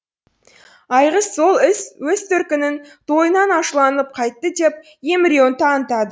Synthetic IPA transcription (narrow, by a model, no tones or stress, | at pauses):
ɑjʁəsːo̞lˠɪswɵst̪ʰʏɾkʲɪnɪnt̪ʰo̞jənɑnɑʃəlˠɑnəlˠəp̚qʰɑjt̪ːəd̪e̞p̚ | jemɾʲio̞nt̪ɑnt̪ɑd̪ə